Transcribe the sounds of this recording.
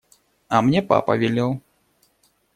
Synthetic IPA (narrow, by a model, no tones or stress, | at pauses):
ɐmnʲɛpa̰pɐ̰vʲɛlʲɛw